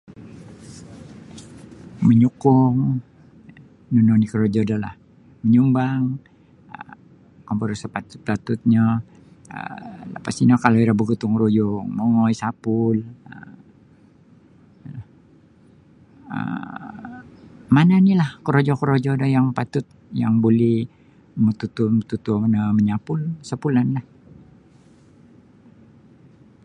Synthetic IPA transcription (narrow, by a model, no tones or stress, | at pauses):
məɲukuŋ | nunɔnikəɾod͡ʒɔdala̰h | məɲumbaŋ | ə | kɔmbəɾusəpat̪u̥t̪̚pat̪ut̪̚ɲa | ə̰lə̰pasinakaloiɾabəɡut̪uŋɾujɔŋmɔŋɔjsapulə̰ | la | ə̰ | mananilahkəɾod͡ʒɔkəɾod͡ʒɔdɔjaŋpat̪ʊt̪̚jaŋbolɛ | mət̪ut̪umət̪ut̪unəməɲapʊlsapulanlah